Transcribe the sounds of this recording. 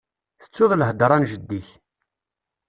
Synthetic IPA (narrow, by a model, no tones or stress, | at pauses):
θə̥t͡sːʊðˤləɦd̪ɾˤɑnʒəd̪ːiç